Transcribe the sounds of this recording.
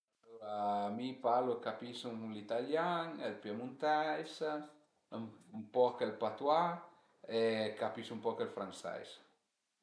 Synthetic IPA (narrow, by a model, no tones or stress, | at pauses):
t̪uamipalokapisuŋlit̪aljaŋelpjemũnt̪ɛjs | umpɔkelpat̪wa | ekapisumpɔkelfɾaŋsɛ̰js